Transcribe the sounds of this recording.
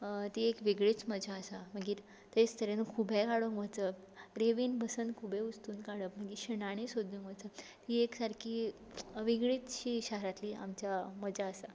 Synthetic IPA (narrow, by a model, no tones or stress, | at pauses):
t̪iekʋiɡɭiːt͡sməd͡ʑaəsam̤əɡiː | t̪et͡st̪ʰəɾenəkʰubʱẽkaɽuŋkʋət͡sə | ɾeʋiːnbʱəsənd̪kʰubʱẽust̪uːnkaɽəpm̤əɡiɕinaɽ̃isod̪ʱũŋkʋət͡sət̪ieksaɾkʰiː | ʋiɡɭiːt͡sɕiːɕəɦɾat̪liːʔa̰mt͡ɕjaməd͡ʑaəsa